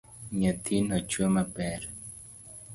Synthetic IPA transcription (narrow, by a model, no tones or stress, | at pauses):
ɲət̪ʰinɔt͡ʃwemapɛɾ